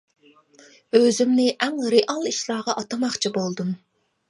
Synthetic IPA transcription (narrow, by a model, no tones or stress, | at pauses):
øzymnɪʔɛŋɾeʔɑlˠiʃlˠɑːʁɑʔɑt̪ɑmɑχt͡ʃʰibolˠd̪um